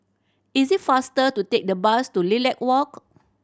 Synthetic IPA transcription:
isit̚fastətutek̚dəbastulilɛk̚wɔk

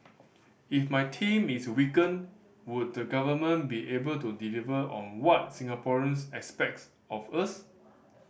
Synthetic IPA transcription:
ifmajtʰĩmiswikə̃n | wud̚dəɡavəmə̃nbiʔebəltudilivəʔɔ̰̃nwɔt̚sĩŋapɔɹə̃nsɛspɛk̚ts | ɔfəs

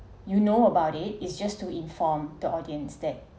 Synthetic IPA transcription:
junoəbaʊtɪt̚ɪsd͡ʒastuĩnfɔmdəʔɔdiə̃nsdɛt̚

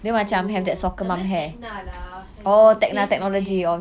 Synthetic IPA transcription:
dɛmãt͡ʃamɦɛvdɛt̚sɔkəmãmɦɛ | ot̪ɛk̚nat̪ɛk̚nɔlod͡ʒiɔ

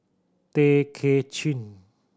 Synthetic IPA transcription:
t̪ekʰet͡ɕʰin

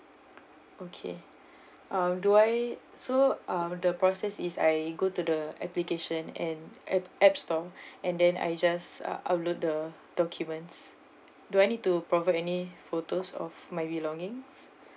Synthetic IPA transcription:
okʰḛ | ʔãmduaj | soãmdəpɹɔsɛsisa̰jɡotudəɛplikeʃə̃nɛ̃nɛɛpstɔɛ̃ndɛ̃na̰jd͡ʒasa̰ʔa̰plot̚də | d̥ɔkʰjumə̃nts | duajnit̚tːupɹɔvatɛnifotosɔ̰fmajbilɔ̃ŋĩŋs

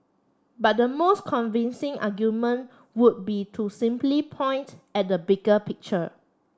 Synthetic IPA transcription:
bat̚dəmoskʰɔ̃nvĩnsɪ̃ŋʔa̰ɡjumə̃n | wut̚bitʰusĩmplipʰɔ̃j̃ntɛt̚dəbiɡəpik̚t͡ʃə

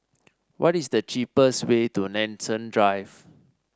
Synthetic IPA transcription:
wʔɔtisdət͡ʃipəswetunɛ̃nsə̃ndɹajv

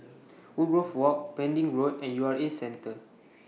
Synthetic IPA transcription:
uɹofwɔk̚pɛ̃ndĩŋɹotɛ̃njuaɹesɛ̃ntə

